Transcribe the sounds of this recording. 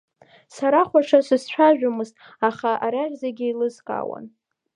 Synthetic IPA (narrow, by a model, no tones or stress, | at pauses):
saɾaχʷaʂasɨst͡ʃʷʰaʒᶣamɨztʼ | aχaʔaɾaʁʲzaɡʲɪilɨzkʼa̰wa̰n